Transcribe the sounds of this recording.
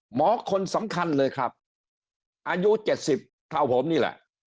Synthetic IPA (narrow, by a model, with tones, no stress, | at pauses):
mɔː˨˦kʰo˧nsa˩˦mkʰa˧nlɤː˧jkʰɾa˦˥p̚ | ʔaː˧ju˦˥t͡ɕe˨˩t̪̚si˨˩p̚t̪ʰa˨˧˩wpʰo˨˦mniː˥˩lɛ̰˨˩ʔ